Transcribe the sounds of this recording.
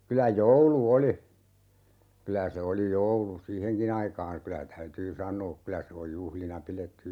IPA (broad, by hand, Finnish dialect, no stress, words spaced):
kylæ joulu oli kylæ se oli joulu siːheŋkin ɑikɑːn̞ kylæ tæytyː sɑnˑoː kylæ se oj juhlinɑ piletːy